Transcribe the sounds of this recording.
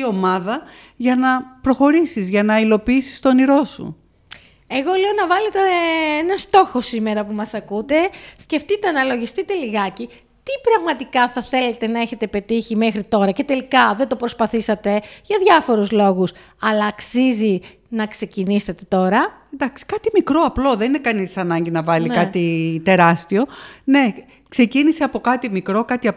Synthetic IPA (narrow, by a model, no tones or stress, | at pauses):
io̞mɐðɐ | ʝɐnɐpɾo̞xo̞ɾisizʝɐnɐilo̞piisi̥st̪o̞niɾo̞sṵ | e̞ɣo̞leo̞nɐvɐlet̪eenɐst̪o̞xo̞sime̞ɾɐpumɐsɐkut̪e̞sce̞ft̪it̪enɐlo̞ʝist̪it̪e̞liɣɐci | t̪ipɾɐɣmɐt̪ikɐθɐθe̞le̞t̪e̞nɐe̞çe̞t̪e̞pe̞t̪içimexɾit̪o̞ɾɐce̞t̪e̞likɐðend̪o̞pɾospɐθisɐt̪e̞ʝɐðʝɐfo̞ɾuzlo̞ɣus | ɐlɐːksizi | nɐkse̞ciniset̪e̞t̪o̞ɾɐend̪ɐksi̥kɐt̪imikɾo̞ɐplo̞ðeninekɐnisɐnɐɲɟinɐvɐlinkɐt̪it̪e̞ɾɐst̪io̞ne̞ | kse̞ciniseɐpo̞kɐt̪imikɾo̞kɐt̪iɐ